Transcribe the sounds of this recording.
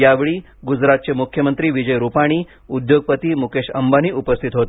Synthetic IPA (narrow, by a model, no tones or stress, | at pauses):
jaʋɭi | ɡud͡ʑɾat̪̚t͡ɕemukʰjəmənt̪ɾiːʋid͡ʑəjɾupaɽ̃i | ud̪joɡ̚pət̪imukeʃə̰mbaniʔupəst̪ʰit̪ɦot̪